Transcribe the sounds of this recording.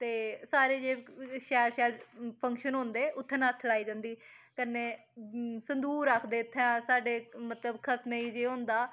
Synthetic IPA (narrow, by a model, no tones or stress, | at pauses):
t̪eːsaːɾeːd͡ʒeːʃɛːɾʃɛːɾpʰə̃ŋkʃənɦʊ̃nd̪eːʔʊt̪ʰːẽːnaːt̪ʰːəlaːiːd͡ʒãːnd̪iː | kəneː | sənd̪uːɾakʰd̪eːʊt̪ʰːɛ̃ːsaːɖeːmət̪ləbkʰəsmẽːiːd͡ʒeːɦõnd̪aː